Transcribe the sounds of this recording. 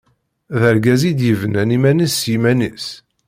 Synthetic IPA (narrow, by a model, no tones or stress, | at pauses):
ðəɾɡæzid̪jəvnænimænisjimænis